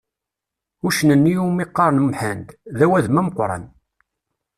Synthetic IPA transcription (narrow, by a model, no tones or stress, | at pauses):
uʃnənːiumiqːɑɾˤnmħænd̪ðæwæðmæməqɾˤɑ̰n